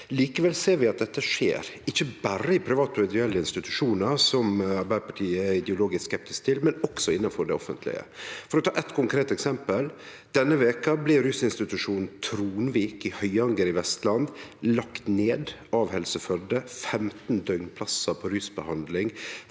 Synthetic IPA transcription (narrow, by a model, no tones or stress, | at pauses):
liːkəʋɛlseːɾʋɪɑt̪̚d̪ɛt̪ːəʂḛːɾɪçːəbæɾəɪpʰɾɪʋɑːt̪mɛd̪ʏɛlːəɪnst̪ɪt̪ʉ̥ʂuːnəɾsɔmɑɾbæɪpɑʈʰiːəæɾɪd̪ɛʊloːɡɪsskɛp̚t̪ɪskt̪ʰɪlmɛnɔksɔɪnːɑnfɔɖɛ̰ɔfənt̪ʰlɪ̰ɡə̰fɔɾɔt̪ʰɑːʔɛt̪kʰʊŋkʰɾeːt̪ɛksɛmpəl | d̪̥ɛnːəʋeːkɑblɪɾʉsɪnst̪ɪt̪ʉʂuːnn̩t̪ʰɾuːnʋiːkɪhœʏɑŋɡəɾɪʋɛst̪lɑnd̪lɑkt̪neːd̪ | ɑʋhɛlsəfœd̪əfɛmt̪n̩d̪œʏŋpʰlɑsəpʰɔɾʏsbəhɑnd̪lɪŋ